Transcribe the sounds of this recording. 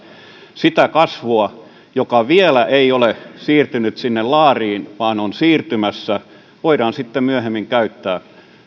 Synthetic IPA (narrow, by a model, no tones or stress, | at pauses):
sit̪ækɑsʋuɑ | jokɑʋielæʔeiolesiːrt̪ynyt̪sinːellɑːriːnʋɑːnonsiːrt̪ymæsːæ | ʋoiɾɑnsit̪ːemyøhemːiŋkæyt̪ːæː